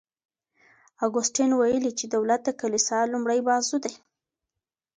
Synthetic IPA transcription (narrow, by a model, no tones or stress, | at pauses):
aɡʊsʈinwajəlit͡ʃed̪awlat̪̚d̪əkalisɑlumɽajbɑzud̪aj